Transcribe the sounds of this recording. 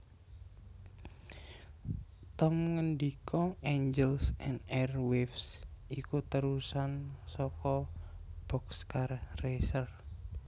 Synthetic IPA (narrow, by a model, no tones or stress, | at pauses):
t̪ɔmŋənɖikʰɔeɲd͡ʒɛlsɛ̰nd̪ɛrwefsʔikut̪əɾusansɔkɔb̥ɔkskarresər